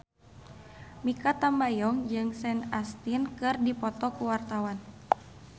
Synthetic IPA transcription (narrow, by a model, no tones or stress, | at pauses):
mikat̪ambajɔŋd͡ʒɨŋsɛnast̪inkɨrdipɔt̪ɔkuwart̪awan